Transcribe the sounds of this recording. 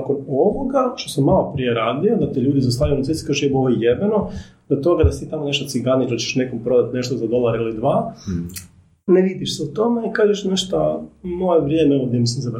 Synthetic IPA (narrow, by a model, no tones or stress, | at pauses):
akonoʋoɡaʃt̪osamːalˠopɾije̞ɾaːd̪iod̪at̪iʎuːd̪izast̪aːɾijunat̪esi̥kaʒjeboʋojjebeno | d̪at̪o̞ɡad̪ast̪iːt̪amone̞ʃt̪ot̪siɡanit̪at͡ɕt͡ʃeʃne̞kompɾo̞d̪at̪ne̞ʃt̪ozad̪o̞lˠaɾilid̪ʋaː | neʋid̪iʃseut̪o̞me̞ikaːʒeʃneʃt̪amo̞jeʋɾjeːmeooɡd̪emiseza